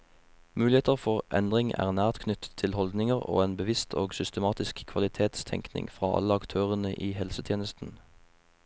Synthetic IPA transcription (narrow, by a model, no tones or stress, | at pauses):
mʉːlɪheːt̪əʁfɔʁʔɛ̰nd̪ʁɪŋæ̰ːʁnæːʁt̪kʰnʏt̪ət̪ʰːɪlhɔld̪nɪŋəʁo̰ːeːnbəʋɪst̪ʰoːɡsʏst̪əmɑːt̪ɪskkʰʋɑlɪt̪ʰeːt̪st̪ʰɛ̰ŋknɪ̰ŋfʁɑːʔɑ̰ləɑkt̪ʰøːʁənəʔiːhɛlsət̪ʰjeːnəst̪n̩